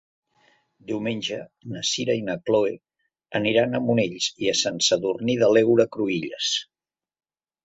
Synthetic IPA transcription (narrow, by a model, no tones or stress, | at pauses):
d̪iwmenʲd͡ʒənəsiɾəinəkloe | əniɾanəmuneʎsiəsənsəðurniðəlɛwɾəkɾuiʎə̰s